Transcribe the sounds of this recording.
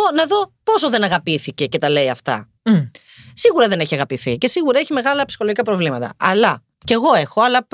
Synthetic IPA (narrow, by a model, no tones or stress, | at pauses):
onɐðo̞po̞soðe̞nɐɣɐpiθice̞ce̞t̪ɐle̞iɐft̪ɐ̰ | siɣuɾɐðe̞ne̞çiɐɣɐpiθice̞siɣuɾɐeçime̞ɣɐlɐpsi̥xoloʝikɐpɾo̞vlimɐt̪ɐ̰ʔɐlɐ | ce̞ɣo̞e̞xo̞ɐlɐp